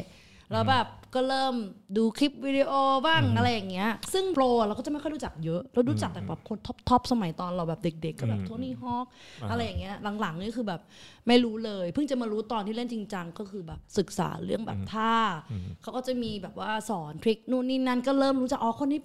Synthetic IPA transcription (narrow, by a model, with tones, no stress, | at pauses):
ɾa˧˥wbɛː˨˩p̚kɔː˥˩ɾɤː˥˩mduː˧kʰi˦˥p̚wiː˧i˧ʔoː˧baː˥˩ŋʔa˧ɾa˧jːa˨˩ŋːi˦˥ɐsɯ˥˩ŋploː˧˨ɾa˧wkaː˥˩t͡ɕa˨˩ma˥˩jʰkʰɔ˥˩jɾuː˦˥t͡ɕa˨˩k̚jɤ˦˥ʔɾa˧˥wɾuː˦˥t͡ɕa˨˩k̚t̪ɛː˨˩bɛː˨˩p̚kʰo˧˥nt̪ʰɔ˦˥p̚t̪ʰɔ˦˥p̚sa˧ma˩˦jt̪ɔː˧nɾa˧wbɛː˨˩p̚de˨˩k̚de˨˩kːɔː˦˥˩bɛː˨˩p̚t̪ʰu˥˩əniː˥˩ɦɔː˥˩k̚ʔa˧ɾa˧jːa˨˩ŋːi˦˥˨la˨˩˦ŋla˩˦ŋni˧˥˩kʰɯː˧bɛː˨˩p̚ma˥˩jɾuː˦˥lɤː˧jpʰɯ˥˩ŋt͡ɕa˨˩maː˧ɾuː˦˥t̪ɔː˧nt̪ʰiː˥˩le˥˩nt͡ɕi˧ŋt͡ɕa˧ŋkɔː˥˩kʰɯː˧bɛː˨˩p̚sɯ˨˩k̚sa̰ː˩˦ɾɯ˥˩əŋbɛ̰ː˨˩p̚t̪ʰaː˥˩kʰa˦˥wkɔː˥˩t͡ɕa˨˩miː˧bɛː˨˩p̚waː˥˩sɔː˩˦nt̪ʰɾi˦˥k̚nuː˥˩niː˥˩na˦˧˥nkɔː˥˩ɾɤː˥˩mɾuː˦˥t͡ɕa˨˩ʔɔː˨˦kʰo˧nːiː˦˥